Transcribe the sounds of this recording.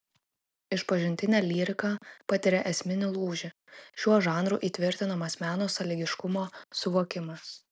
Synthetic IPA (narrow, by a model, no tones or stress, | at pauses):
ɪʃpɐʒʲɪnʲt̪ʲɪnʲæːlʲiːɾʲɪkɑpɐt̪ʲɪɾʲɛʔɛsʲmʲɪnʲɪlˠuːʒʲɪ | ʃʲuɔʒɑːnɾuːʔiːt̪ʲʋʲɪɾʲt̪ʲɪnomɐsmʲæːnoːsɐlʲɪɡʲɪʃkʊmoːsʊʋoːkʲɪmɐs